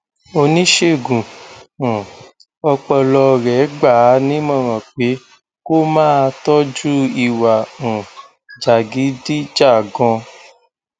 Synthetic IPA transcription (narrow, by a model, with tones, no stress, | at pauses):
o˧nĩ˦ʃe˦˨ɡũ˨ | ɔ˧k͡pɔ˧lɔ˧ɾɛ˨˦ɡ͡ba˦˨˦nĩ˦mɔ̃˦˨ɾ̃ɔ̃˨k͡pe˨˦ | ko˦mãː˦˧tɔ˦d͡ʒu˦i˨wa˨ũ˨ | d͡ʒa˨ɡi˨˦di˦d͡ʒa˦˨ɡɔ̃˧